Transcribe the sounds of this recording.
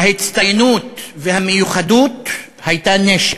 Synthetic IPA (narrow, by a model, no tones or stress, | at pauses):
hit͡st̪ajenutvehamejuχadut | hajt̪aneʃ